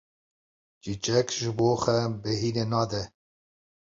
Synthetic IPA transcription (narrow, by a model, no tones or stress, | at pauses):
d͡ʒit͡ʃɛkʒɪboːxɛbɛɦiːneːnɑːd̪ɛ